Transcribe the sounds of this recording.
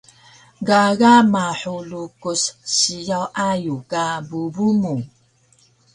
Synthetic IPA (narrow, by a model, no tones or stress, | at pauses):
ɡaɣamaħulukusɕijawʔajukabubumu